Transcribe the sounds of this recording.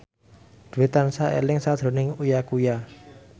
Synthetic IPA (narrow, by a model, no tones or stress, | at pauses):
d̪̥ṳwet̪ansaʔḛlɪŋsad̪̥ɾo̤nɪŋujakuja